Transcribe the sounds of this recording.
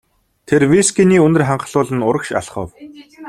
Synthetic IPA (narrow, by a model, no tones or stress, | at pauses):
t̪ʰerwiskʲiniːɵnɘ̆rχaɴɢə̆ɮʊːɮə̆nʊɾə̆kʃa̰ɮχə̰̆w